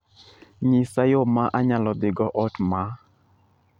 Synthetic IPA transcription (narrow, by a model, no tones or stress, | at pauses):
ɲɪsajomaʔaɲalɔd̪ɪɡɔʔɔtma